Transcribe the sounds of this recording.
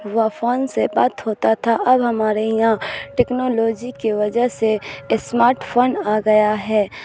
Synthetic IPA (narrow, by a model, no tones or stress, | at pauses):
ʋafʰoːnsebaːt̪hoːt̪at̪ʰaʔɐbɦɐmaːɾejãʈɛːknoːloːd͡ʒikeʋɐd͡ʒəɦsesmaːɾʈpʰoːnaːɡɐjaɦɛː